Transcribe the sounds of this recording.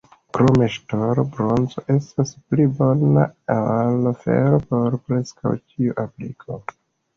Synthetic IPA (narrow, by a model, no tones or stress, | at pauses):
kɾomeʃtoɾobɾo̞nzo̞ʔe̞stasplibo̞na̰alofe̞̰ɾo̞po̞ɾpɾe̞ska̰wt͡ʃiuʔaplḭkʰo̞̰